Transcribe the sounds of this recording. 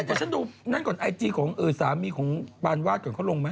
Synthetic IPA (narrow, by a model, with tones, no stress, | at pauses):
t͡ɕaː˧˩t͡ɕʰnduː˧na˥˩nkɔː˨˩nʔa˧jt͡ɕiː˧kʰɔː˩˦ŋʔɤː˧˩saː˨˦miː˧kʰɔː˩˦ŋbaː˧nwaː˥˩t̪̚kɔː˨˩nkʰa˥˩˨lo˧ŋma˦˥